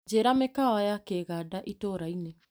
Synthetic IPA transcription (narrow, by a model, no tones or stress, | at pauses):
d͡ʒeɾamekaajakeɡadaʔitoɾajne